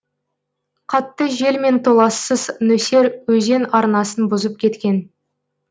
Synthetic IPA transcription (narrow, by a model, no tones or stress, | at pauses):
qʰɑt̪ːəʒe̞lme̞nt̪ʰo̞lˠɑsːəznɵse̞ɾwɵze̞nɑɾnɑsənbʊzəp̚kʲʰe̞t̪kʲe̞n